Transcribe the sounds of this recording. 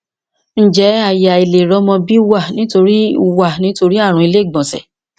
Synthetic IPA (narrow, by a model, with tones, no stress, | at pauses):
n̩˦d͡ʒɛ˨˦a˦˨ja˨i˨le˨ɾɔ˨˦mɔ̃˧bi˦wa˦˨nĩ˨˦to˧ɾi˦˧wa˦˨nĩ˨˦to˧ɾi˦a˦˨ɾ̃ũ˧˦i˧le˦˨ɡ͡bɔ̃˨sɛ̰˨